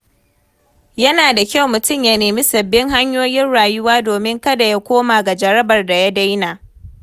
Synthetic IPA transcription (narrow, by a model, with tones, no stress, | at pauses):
jɐ˦naː˨da˨kʲa˦˨wmʊ˨tʊ˦˨mja˦neː˨miː˦sɐ˨bːɪ˦ŋɦa˦ɲjoː˦jɪ˦nɽaː˨jʊ˦waː˦doː˨mɪ˦ŋkɐ˦da˨ja˦kʷoː˦maː˨ɡa˨d͡ʒɐ˨ɾɐ˦bɐ˨rda˨ja˦da˦jnaː˨